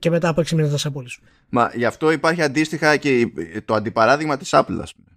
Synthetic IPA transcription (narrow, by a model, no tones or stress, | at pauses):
ceme̞t̪ɐpoeksimint̪t̪ɐsɐpolis | mɐ̰ʝɐft̪o̞ipɐɾçiɐnd̪ist̪ixɐceit̪o̞ɐnd̪ipɐɾɐðiɣmɐt̪i̥sɐplɐ̰ːspume